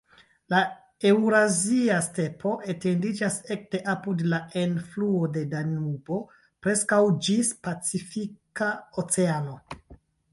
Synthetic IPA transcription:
la | e̞wɾaziaste̞pʰo̞ʔete̞ndid͡ʒase̞k̚te̞ʔapudlaʔe̞nfluode̞danubo̞ | pɾeskawd͡ʒispat͡sifikaot͡se̞ano̞

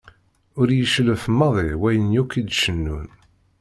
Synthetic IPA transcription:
ʊɾjəʃləfmːɑðˤiwæjənjukid̪ʃənːun

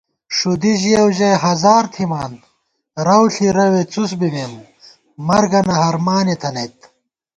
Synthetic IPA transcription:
ʂud̪iʑijɐwʑɐjɦɐzaːɾt̪ʰimaːnd̪ | ɾɐwɬiɾɐwet͡sus̬biben | mɐɾɡɐnɐɦɐɾmaːnet̪ʰɐnɐjt̪

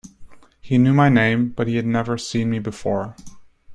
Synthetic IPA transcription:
hinjʉmaɪnẽɪ̃mb̥ʌt̚hiɨdⁿnɛvə˞sĩnmibɨfɔɹ

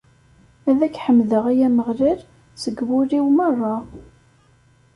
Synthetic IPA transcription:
æðækːħəmðəʁæjæməʁliɾ | səɡwʊɾiwmərˤːɑ

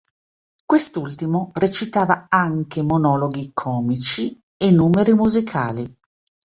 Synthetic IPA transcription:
kwest̪ult̪imoret͡ʃit̪aːvaaŋkemonɔːloɡikʰɔːmit͡ʃi | enːuːmeɾimuzikʰaːli

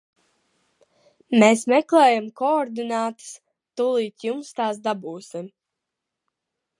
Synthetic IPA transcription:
meːsmɛklɛːjamkɔɔɾd̪inaːt̪ɨ̥s | t̪ulˠiːt̪ʲjumst̪ɑːsd̪abuːsim

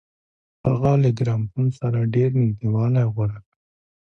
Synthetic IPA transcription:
haɣaleɡɾɑmpunsaɾaɖeɾnɪd̪iwɑlajɣwaɾaka

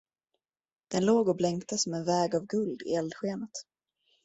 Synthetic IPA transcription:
d̪̥ɛnloːɡɔblɛŋkt̪əsɔmɛnvɛːɡavɡɵld̪ɪ̰ɛld̪ɧeːnət̪

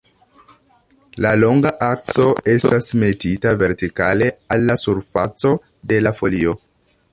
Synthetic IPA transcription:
lalo̞ŋɡaʔak̚t͡so̞e̞stasme̞titave̞ɾtikale̞alːasuɾfa̰t͡so̞ | de̞lafo̞lio̞

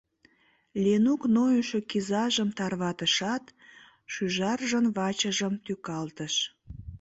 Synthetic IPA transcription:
lʲenuknojuʃekizɑʒəmt̪ɑrβɑt̪əʃɑt̪ | ʃyʒɑrʒənβɑt͡ɕəʒəmt̪ykɑlt̪əʃ

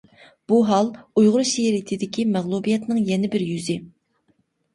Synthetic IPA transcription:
b̥uɦɑlˠujʁʊɾʃeɾit̪ʰɪd̪ɪkʲimɛʁlˠubijɛt̪nɨŋjɛnɪbɪɾjyzɪ

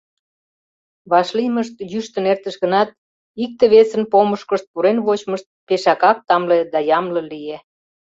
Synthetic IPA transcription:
βɑʃliməʃt̪jyʃt̪ənert̪əʃɣə̆nɑt̪̚ | ik̚t̪eβesənpoməʃkəʃt̪̚puɾenβot͡ɕməʃt̪̚peʃɑkɑk̚t̪ɑmled̪ɑjɑmlə̆lije

